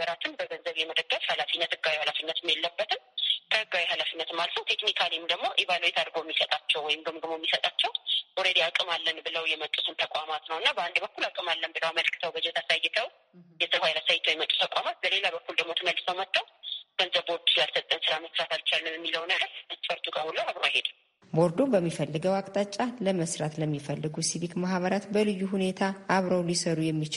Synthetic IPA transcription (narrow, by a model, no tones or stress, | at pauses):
əɾat̪ʰɨnbəɡənzəβjɛməd̪əɡːəfhalafinːət̪ɨɡːawihalafinːət̪ɨmjelːəbːət̪ʰɨmkʰəhɨɡːawihalafinːət̪ɨmːalət̪ʰnəwt̪ʰe̞knikʰalimd̪əɡmo̞ʔiβaləwet̪ʰaɾɡojɛmːisət̪ʼat͡ʃːɛwːɔjɪmdəmɡɨmojɛmːisət̪ʼat͡ʃːɛwʔɔɾed̪eakʼɨmalːənbɨləwjɛmət͡ʃʼːusɨnt̪ʰəkʼʷamat̪nəwɨnːabəand̪bəkːulakʼɨmalːənbɨləwaməlkʰɨ̥t̪ʰəwbəd͡ʒɛt̪ʰasajːɛt̪ʰəw | jɛsəβhajlasajːɪt̪ʰwjmət̪ʼːu̥t̪ʰəkʼamat̪̚bəle̞labəkːuld̪əɡmot̪ʰɨməlːɨsəwmət̪ʰʼːəwɡ̥ənzəβboɾd̪usɨlalsət̪ʼːənsɨɾaməsɾat̪alt͡ʃalːɨmjɛmːiləwnəɡəɾəsfəɾt̪ʼuɡʼahulːəwaβɾəwahed̪ | bo̞ɾd̪o̞bəmːifəlːɨɡəwakʼt̪ʼat͡ʃʼːaləməsɾat̪ləmːifəlːɨɡusiβikmaɦβəɾat̪bəlɨjːuhune̞t̪ʰaːβɾəwlisəɾujɛmːit͡ʃ